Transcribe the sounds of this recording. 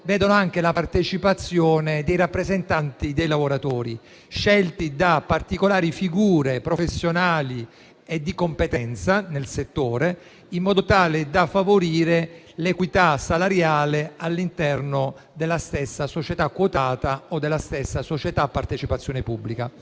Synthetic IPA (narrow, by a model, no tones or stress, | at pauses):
vɛːd̪onoaŋk̟elapart̪et͡ʃipat̪sːjoːned̪ejɾapːɾezent̪ant̪id̪ejlavoɾat̪oːɾḭ | ʃɛlt̪id̪apart̪ikolaːɾifiɡuːɾepɾofesːjonaːli | ed̪ːikompet̪ɛnt̪sanelset̪ːoːɾe | imːɔːd̪ot̪aːled̪afːavoɾiːɾe | lekwit̪asalaɾjaːlealːint̪ɛrno | d̪elːast̪esːasot͡ʃet̪akːwot̪aːt̪aod̪ːelːast̪esːasot͡ʃet̪apːart̪et͡ʃipat̪sːjoːnepubːlika